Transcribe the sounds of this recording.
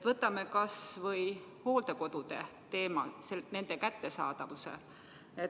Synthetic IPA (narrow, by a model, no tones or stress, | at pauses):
vɤt̪ːˑɑme̞kɑsvɤjho̞ːld̪e̞ko̞d̪̥ud̪̥e̞̰t̪e̞ːmɑ̰sene̞nd̪e̞kæt̪ːe̞sɑ̰ːd̪̥ɑvusḛ | e